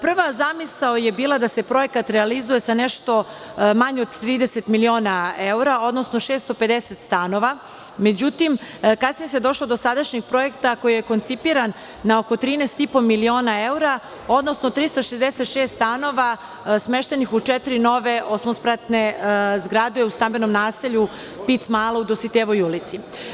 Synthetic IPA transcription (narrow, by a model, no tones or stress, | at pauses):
pr̩ʋazamisaoje̞biːlˠad̪ase̞pɾo̞je̞kat̪ɾealizuje̞saneʃt̪o̞ | maɲeod̪t̪ɾiːd̪eset̪milio̞ːnaeuɾao̞d̪nosno̞ʃeːst̪o̞pe̞d̪eset̪st̪ano̞ʋa | me̞d͡ʑut̪imkasniesejed̪o̞ʃlˠo̞d̪osad̪aʃɲeɡpɾo̞jekt̪ako̞jije̞ko̞nt̪sipiɾanː | aokot̪ɾiːnest̪ipo̞milio̞ːnae̞uɾa | o̞d̪nosnot̪ɾist̪aʃezd̪eset̪ʃeːst̪st̪ano̞ʋa | smeʃt̪e̞nixut͡ʃɛt̪iɾino̞ʋe̞ʔosmospɾat̪ne̞zɡɾad̪eust̪ambenomnaːseʎu | pit̪smaːlˠaud̪osit̪eʋo̞julit̪si